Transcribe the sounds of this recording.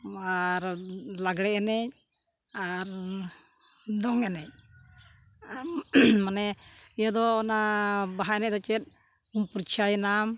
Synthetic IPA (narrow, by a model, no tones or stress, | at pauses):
aɾlaɡɽɛɛnɛc̚ | aɾ | d̪ɔŋɛnɛc̚ | manɛijad̪ɔːnabaɦaɛnɛc̚d̪ɔt͡ʃɛt̪̚ | umpuɾt͡ʃʰajɛnam